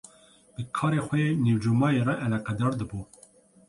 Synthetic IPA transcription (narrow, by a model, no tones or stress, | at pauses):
b̥əkʰɑːɾeːxʷɛjeːniwd͡ʒuːmɑːjeːrɛʔɛlɛqɛd̪ɑːɾd̪ɨbuː